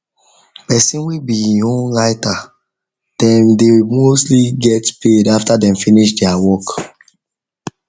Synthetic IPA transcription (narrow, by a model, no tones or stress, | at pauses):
pɛsĩnwibiĩhõnɹaɪta | d̥ɛ̃mdewimostliɡɛtpedaftadɛ̃mfiniʃdɛawɔk